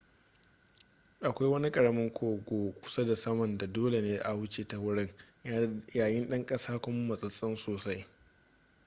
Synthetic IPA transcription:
ʔa˨kʷa˦jwɐ˦ni˦kʼɐ˨ɽɐ˦mɐ˦ŋkʷʰoː˨ɡʷoː˨kʷʊ̥˦sɐ˦da˨sɐ˦mɐ˨nda˨doː˦le˨neː˦ʔa˨wʊ˦t͡ʃeː˨ta˨wʊ˦ɽɪ˦ŋ | jaː˨jɪ˦nɗɐ˦ŋkʼɐ˦saː˦kʷʊ˦m˦mɐ˨sʼɐ˦sʼɪ˦nsoː˨sa˦j

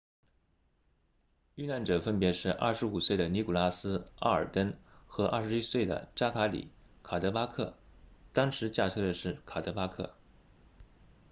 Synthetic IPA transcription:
y˥˧na˥˩nʈ͡ʂɤ˨˩fə˥npjɛ˧˥ʂɻ̩˥˧ʔɐ̰˥˩ʂɻ̩˧˥u˨˩swe˥˩ɪd̪ə˩ni˧˥ku˨˩la˥sɹ̩˥a̰˥˩ə̰˞˨˩t̪ə˥nxɤ˧˥ʔa̰˥˩ʂɻ̩˧˥i˥swe˥˩ɪd̪ə̰˩ʈ͡ʂa˥kʰa˧˥lḭ˨˩˦ | kʰa˨˩t̪ɤ˧˥pa˥kʰɤ̰˥˩ | t̪ɑ˥ŋʂɻ̩˧˥t͡ɕja˥˩ʈ͡ʂʰɤ˥d̪ə˨ʂɻ̩˥˩kʰa˨˩t̪ɤ˧˥pa˥kʰɤ̰˥˩

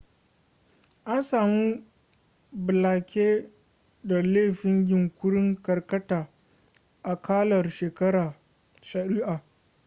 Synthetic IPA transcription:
ʔa˦nsaː˨mu˦ | bɪ˨laː˨kʲeː˦ | da˨leː˦˨ɸɪ˦ŋɡʲɪ˨ŋkʷʊ˦ɽɪ˦ŋkɐ˨rkɐ˦taː˨ | ʔa˨kʰaː˦lɐ˨rʃeː˨kɐ˦ɽaː˨ | ʃɐ˨ɾi˦ʔaː˨

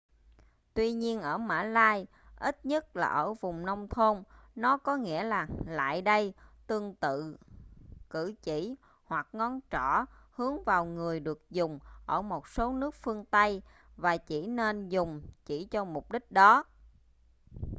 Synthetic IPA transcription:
t̪wi˧ɲi˧ənʔəː˧˩ma̰ː˧˥laː˧j | ʔi˦˥t̚ɲə˦˥t̚laː˨˩ʔəː˧˩vʊ˨˩ŋ͡mnə˧wŋ͡mt̪ʰo˧nnɔ˨˦kɔ˨˦ŋḭ˧˥əlaː˨˩la̰ː˧˨jɗə˧jt̪ɨ˧əŋt̪ɨ̰˧˨ | kɨ̰˧˩t͡ɕḭ˧˩ | hwa˨˩k̚ŋɔ˧nt͡ɕɔ˧˩hɨ˨˦əŋvaː˨˩wŋɨ˨˩əjɗɨ˨˩ək̚zʊ˨˩ŋ͡mʔəː˧˩mo˨˩t̚so˨˦nɨ˦˥ək̚fɨ˧əŋt̪ə˧j | vaː˨˩t͡ɕi˧˩ne˧nzʊ˨˩ŋ͡mt͡ɕi˧˩t͡ɕɔ˧mʊ˨˩k͡p̚ɗï˦˥k̟̚ɗɔ˨˦

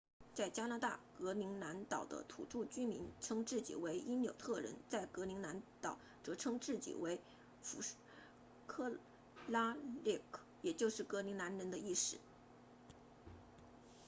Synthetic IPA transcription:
t͡sa˥˩ɪt͡ɕja˥na˧˥t̪a˥˩kɤ˧˥li˧˥ŋna˧˥nt̪ɑ˨˩ʊd̪ə̰˦t̪ʰṵ˨˩ʈ͡ʂu˥˩t͡ɕy˥mi˧˥nʈ͡ʂʰɤ˥ŋʈ͡ʂɻ̩˥˩t͡ɕḭ˨˩we˧˥ɪi˥nljo̰˨˩ʊt̪ʰɤ˥˩ɻə̰˧˥nt͡sa˥˩ɪkɤ˧˥li˧˥ŋna˧˥nt̪ɑ˨˩ʊ | ʈ͡ʂɤ˧˥ʈ͡ʂʰɤ˥ŋʈ͡ʂɻ̩˥˩t͡ɕḭ˨˩we˧˥ɪ | fu˧˥ʂ | kʰɤ˥˩ | la˥li˥˩kʰ | jɛ˨˩t͡ɕjo˥˧ʊʂɻ̩˥˩kɤ˧˥li˧˥ŋna˧˥nɻə˧˥nd̪ə˧i˥˩ʂɻ̩˥˩˦

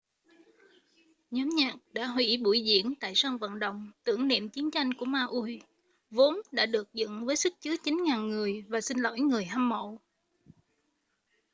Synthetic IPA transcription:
ɲɔ˨˦mɲaː˨˩k̚ɗa̰ː˧˥ɦwḭ˧˥ɓu˧˩jzḭ˧˩ənt̪a̰ː˧˨jsaː˧ŋvə̰˧˨nɗə̰˧˨wŋ͡mt̪ɨ̰˧˩əŋnḭ˧˨mt͡ɕi˨˦ənt͡ɕa˧jŋ̟ku˧˩əmaː˧ʔu˧j | vo˨˦nɗa̰ː˧˥ɗɨ˨˩ək̚zɨ̰˧˨nvəː˨˦jsɨ˦˥k̚t͡ɕɨ˨˦ət͡ɕi˨˦nŋaː˨˩nŋɨ˨˩əjvaː˨˩sï˧nlo̰˧˩˦jŋɨ˨˩əjhaː˧mːo̰˧˨

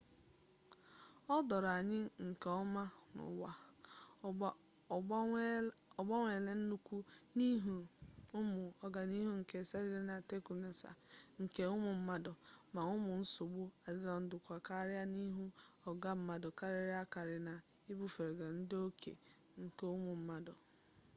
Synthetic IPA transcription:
ɔ˦dɔ˨ɾa˨ɲɪ˦ŋ̩˨kɔ˦ma˦nʊ̰˨wa˦ | ɔ˨ɡ͡bɔ˦ŋʷe˨le˦n̩˦nu˦kʷu˦ni˦ɦu˨ʊ˦mʊ˨ɔ˨ɡa˨ni˦ɦu˦ŋ̩˨ke˨sa˦ɾi˦ɾe˦na˨te˦ku˨ne˨sa̰˨ŋ̩˨ke˨ʊ˦mʊ˨m̩˦ma˦dɔ˨ma˨ʊ˦mʊ˨n̩˦sʊ˨ɡ͡bʊ˦a˨dɪ˦ɡa˨n̩˦dʊ˨kʷa˨ka˦ɾɪ˦a˦ni˦ɦu˦ɔ˨ɡa˦m̩˦ma˦dɔ˨ka˦ɾe˦ɾɪ˦a˦ka˨ɾɪ˨na˨ | i˦bu˦fe˨ɾe˨ɡa˨n̩˦do˦kʰḛ˨ | ŋ̩˨ke˨ʊ˦mʊ˨m̩˦ma˦dɔ˨

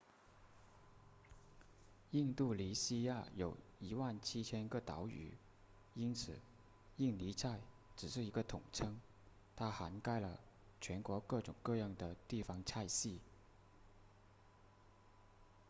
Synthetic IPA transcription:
i˥˧ŋt̪u˥˩li˧˥ɕi˥ja˥˩jo˨˩ʊ | i˧˥wa˥˩nt͡ɕʰi˥t͡ɕʰjɛ˥nkɤ˥˩t̪ɑ̰˧˥ʊy̰˨˩ | i˥nt͡sʰɹ̩˨˩˦ | i˥˩ŋli˧˥t͡sʰa˥˩ɪ | ʈ͡ʂɻ̩˨˩ʂ̬ɻ̩˥˩i˧˥ɡə˧t̪ʰʊ˨˩ŋʈ͡ʂʰɤ˥ŋ | t̪ʰa˥xa˧˥nka˥˩ɪlə̰˨ | t͡ɕʰɥɛ˧˥nkwɔ˧˥kɤ˥˩ʈ͡ʂʊ̰˨˩ŋkɤ˥˧jɑ˥˩ŋd̪ə˩t̪i˥˩fɑ˧˥ŋt͡sʰa˥˧ɪɕi˥˩

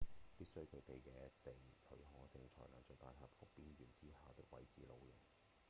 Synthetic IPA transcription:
piː˥t̚sɵ˥ɥkʰɵ˨˧ɥpe˨jkɛː˨˧t̪e˨jʰɵ˨˧˥ɥɦɔː˨˥˩t͡sɪ˧ŋt͡ʃʰɔ̰ː˨˩jnla̰ː˨˩nt͡ʃœ˨t̪aː˨jɦɐ˨˩p̚kʰʊ˨˥k̚piː˥nɥyː˨˩nt͡siː˥haː˨t̪ɪ˥k̚wɐ̰˨˥jt͡siː˨˥lo˨˧wjʊ˨˩ŋ

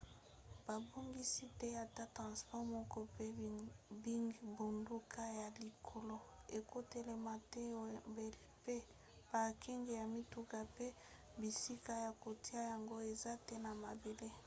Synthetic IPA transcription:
b̥a˨bo˦ŋɡi˦si˦tɛ˦ja˨ta˦tʁɑ̃˨spɔ˦ʁmɔ˦kɔ˦pe˦bi˦ŋɡbo˨ndu˦kʰa˦ja˨li˨kʰo˨lo˦e˨ko˦te˦le˨ma˨tɛ˦˨be˨lpe˦ | b̥a˨ki˦ŋɡe˨ja˨mi˦tu˨ka˦˨pe˦ | bi˨si˦ka˦ja˨ko˨ti˦a˦ja˨ŋɡo˦e˨za˦tɛ˦na˨ma˨be˨le˦

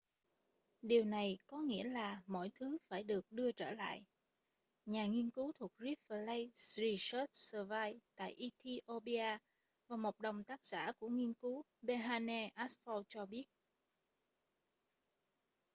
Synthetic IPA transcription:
ɗi˨˩əwna˨˩jkɔ˨˦ŋḭ˧˥əlaː˨˩mɔ̰˧˥˨jt̪ʰɨ˨˦faː˧˩jɗɨ˨˩ək̚ɗɨ˧ət͡ɕəː˧˩la̰ː˧˨jʔ | ɲaː˨˩ŋi˧ənkɨ˨˦wt̪ʰu˨˩ək̚zi˦˥p̚fə˨˩lə˧jszi˧səː˦˥t̚səː˧vaː˧jt̪a̰ː˧˨jʔi˧t̪ʰi˧ʔo˧ɓi˧aː˧ | vaː˨˩mo˨˩k͡p̚ɗə˨˩wŋ͡mt̪aː˦˥k̚z̥a̰ː˧˩ku˧˩əŋi˧ənkɨ˨˦ | ɓe˧ɦaː˧nɛ˧ʔa˦˥s̚fɔ˧wt͡ɕɔ˧ɓi˦˥ət̚

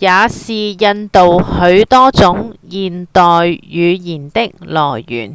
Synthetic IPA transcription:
jaː˨˧siː˨jɐ˧nt̪o˨whɵ˨˧˥ɥt̪ɔː˥t͡sʊ˨˥ŋjiː˨nt̪ɔː˨jːyː˨˧jiː˨˩nt̪ɪ˥k̚lɔː˨˩jːy̰ː˨˩n

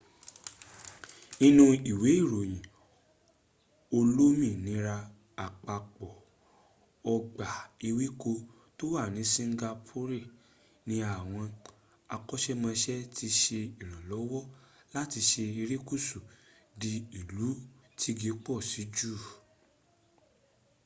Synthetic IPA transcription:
ĩ˧nũ˧i˨we˨˦i˦˨ɾo˨j̃ĩ˨ | o˧lo˦mĩ˦˨nĩ˨˦ɾa˧ | a˨k͡pa˨k͡pɔ˨ | ɔ˧ɡ͡ba˨i˧wi˦ko˧ | to˦wa˦˨nĩ˨˦sĩ˦ŋ˦ɡa˧pʰo˦ɾe˦˨ | nĩ˧˦a˨w̃ɔ̃˧ | a˧kɔ˦ʃɛ˦mã˧ʃɛ˦tʰi˧ʃe˧i˨ɾ̃ã˨lɔ˨˦wɔ˦ | la˦ti˧ʃe˧i˧ɾi˦ku˦˨su˨ | di˧i˨lu˨˦tʰi˦ɡe˨˦k͡pɔ˦˨si˨˦d͡ʒu˦˨

